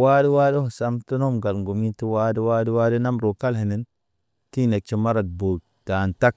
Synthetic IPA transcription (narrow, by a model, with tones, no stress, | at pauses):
wa˦di˦wa˦di˦ho˨sa˦mtu˦no˦mɡa˨lŋɡo˨mi˦ti˦wa˦di˦wa˦di˦wa˦di˦na˦mɾo˨ka˦lhe˨ni˨˦n | ti˦ne˨k̚t͡ʃi˦ma˦ɾa˨t̚bo˨ | ta˨nta˦k̚